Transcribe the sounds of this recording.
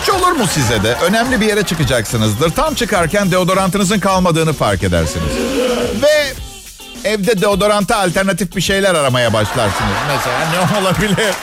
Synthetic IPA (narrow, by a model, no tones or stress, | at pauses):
t͡ʃʰo̞lˠuɾmusizɛd̪ɛʔø̞nɛmlʲibije̞ɾɛt͡ʃʰɯkɯd͡ʒaksɯnɯzd̪ɯɾt̪ʰamt͡ʃʰɯkaɾcænd̪eod̪o̞ɾant̪ɯnɯzɯnkʰalˠmad̪ɯːnɯfa̰ɾke̞d̪æ̰ɾsinḭz̥vɛ | ɛvd̪ɛd̪eod̪o̞ɾant̪ɯalʲt̪æɾnat̪ifbiʃe̞jlʲæɾaɾamajabaʃlˠa̰ɾsɯnɯznɛzeanɛolˠabilʲiɾ̥